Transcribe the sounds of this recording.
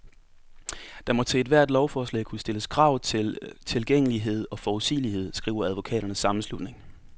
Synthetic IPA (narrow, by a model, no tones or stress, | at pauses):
d̥ɑ̈mɒ̽t͡sʰeːd̥ʋæɐ̰d̥lɒʊfɒːslɛ̰ɪkʰusd̥e̝ləskʰʁɑ̈ʊ̰t͡sʰe̝lt͡sʰe̝lɡ̥eŋ̰əliɦe̝ð̞̰ˠɒ̽fɒːʊð̩ˠsḭːlihe̝ð̞̰ˠsɡ̥ʁḭːʊɐæð̞ˠʋo̝kʰɛ̰ːɾ̥ɐnəsːɑ̈mn̩slud̥ne̝ŋ